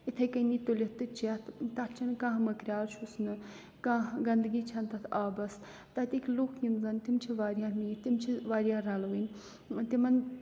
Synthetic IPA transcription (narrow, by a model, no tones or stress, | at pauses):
it̪ʰɐjkɐnit̪olʲit̪ːɨt͡ʃɐt̪ʰt̪ɐtt͡ʃʰɐnkãːɦmɐkɾʲaːɾt͡ʃʰusnɨ | kãːɦɡɐnd̪ɨɡiːt͡ʃʰɐnt̪ɐt̪ʰaːbɐs | t̪ɐt̪ʲikʲluːkʰjimzɐnt̪imt͡ʃʰiʋaːɾjaːmiːt̪imt͡ʃʰiʋaːɾjaːɾɐlʋɨnʲ | t̪imɐn